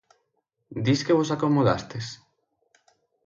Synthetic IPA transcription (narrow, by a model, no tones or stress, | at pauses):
d̪iskeβosakomoða̰st̪es